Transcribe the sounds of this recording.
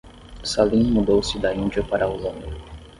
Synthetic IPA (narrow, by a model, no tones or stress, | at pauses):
salĩmud̪owsɪd̪aĩnd͡ʒiɐpaɾɐulɐ̃nu